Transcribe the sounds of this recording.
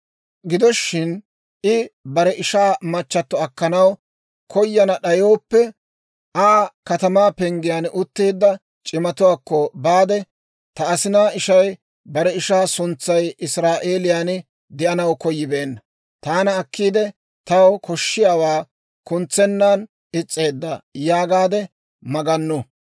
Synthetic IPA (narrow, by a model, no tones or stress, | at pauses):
ɡɪd̪ɔʃːɪn | ʔɪbɐɾɛʔɪʃaːmɐt͡ʃːɐt̪ːɔɐkːɐnɐw | kʰɔjːɐnɐɗɐjo̞ːpːɛ | ʔaːkɐt̪ɐmaːpɛŋɡɪjaːnʔʊt̪ːeːd̪ːɐ | t͡ʃʼɪmɐt̪ʊwaːkːɔbaːd̪ɛ | t̪ɐːsɪnaːɪʃɐj | bɐɾɛɪʃaːsʊnt͡sːɐjɪsɾaːʔe̞ːlɪjaːn | d̪ɪʔɐnɐwkɔjːɪbeːnːɐ | t̪aːnɐːkːiːd̪ɛ | t̪ɐwkʰɔʃːɪjaːwaː | kʊnt͡sːɛnːan | ɪt͡sʼːe̞ːd̪ːɐjaːɡaːd̪ɛ | mɐɡɐnːʊ